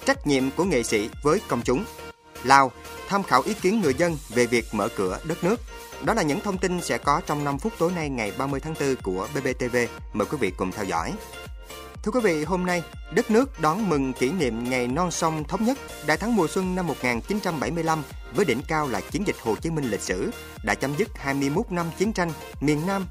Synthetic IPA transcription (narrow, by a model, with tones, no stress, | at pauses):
t͡ɕa˦˥jk̟̚ɲḭ˧˨əmku˧˩əŋḛ˧˨sḭ˧˥˨vəː˨˦jkə˧wŋ͡mt͡ɕʊ˨˦ŋ͡m | laː˧w | t̪ʰaː˧mxaː˧˩wʔi˨˦ki˨˦ənŋɨ˨˩əjzə˧nve˨˩vi˨˩ək̚mə̰ː˧˩kɨ̰˧˩əɗə˦˥t̚nɨ˦˥ək̚ | ɗɔ˨˦laː˨˩ɲɨ̰˧˥ŋt̪ʰə˧wŋ͡mt̪i˧nsɛ̰˧˥kɔ˨˦t͡ɕɔ˧wŋ͡mna˧mfu˦˥t̚t̪o˨˦jna˧jŋa˨˩jɓaː˧mɨ˧əjt̪ʰa˨˦ŋt̪ɨ˧ku˧˩əɓe˧ɓe˧t̪e˧ve˧ | məː˨˩jkwi˨˦vḭ˧˨kʊ˨˩ŋ͡mt̪ʰɛ˧wzɔ̰˧˥˨j | t̪ʰɨ˧əkwi˨˦vḭ˧˨ɦo˧mna˧j | ɗə˦˥t̚nɨ˦˥ək̚ɗɔ˨˦nmɨ˨˩ŋki˧˩nḭ˧˨əmŋa˨˩jnɔ˧nsə˧wŋ͡mt̪ʰə˨˦wŋ͡mɲə˦˥t̚ | ɗa̰ː˧˨jt̪ʰa˨˦ŋmu˨˩əswə˧ŋna˧mːo˨˩t̚ŋaː˨˩nt͡ɕi˨˦nt͡ɕa˧mɓa˧˩jmɨ˧əjla˧m | vəː˨˦jɗḭ˧˩nkaː˧wla̰ː˧˨jt͡ɕi˨˦ənzï˨˩k̟̚ho̰˨˩t͡ɕi˨˦əmï˧ŋ̟lï˨˩k̟̚sɨ̰˧˩ | ɗa̰ː˧˥t͡ɕa˨˦mzɨ˦˥t̚haː˧jmɨ˧əjmo˦˥t̚na˧mt͡ɕi˨˦nt͡ɕa˧jŋ̟ | mi˨˩ənːaː˧m